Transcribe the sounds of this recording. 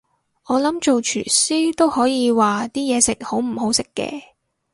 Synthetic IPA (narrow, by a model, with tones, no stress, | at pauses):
ʔɔː˨˧lɐ˨˥mt͡ʃo˨wt͡ʃʰyː˨˩siː˥t̪o˥whɔː˨˥jiː˨˧waː˨t̪iː˥jɛː˨˧sɪ˨k̚ho˨˥wm̩˨˩ho˨˥wsɪ˥kːɛ̰ː˧